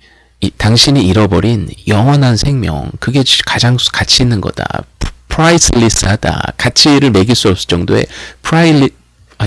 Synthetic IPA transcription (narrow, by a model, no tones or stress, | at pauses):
itaŋɕʰiɲiːɾʌbʌɾinjʌŋwʌnɦansʰe̞ŋmjʌ̰ŋkɯɡe̞kad͡ʑaŋskat͡ɕʰinːɯnɡʌ̰d̥a̰pʰɾais͈ʰɯlis͈ʰɯɦada̰kat͡ɕʰiɾɯɭme̞ɡiɭs͈uʌp̚s͈ɯ̥t͡ɕ͈ʌŋdoe̞̰pʰɾa